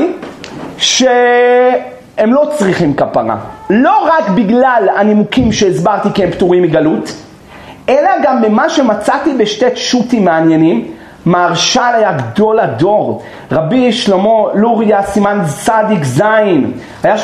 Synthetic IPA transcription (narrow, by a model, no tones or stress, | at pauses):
ʃe | emlo̞t͡sʁiχimkapaʁa̰lo̞ʁakbiɡlalanimukimʃeːzbaʁt̪ikiempt̪uʁimiɡalut | ʔelaɡamːemaʃemat͡sat̪ibeʃte̞ʃutimːeanjenim | maːʁʃalajaɡdo̞lado̞ʁ | ʁabiʃlomo̞luʁjasimansadikzajin | aja